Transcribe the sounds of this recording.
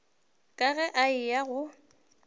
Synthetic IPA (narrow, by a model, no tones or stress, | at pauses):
kʼaɣɛʔaɪjaɣʊ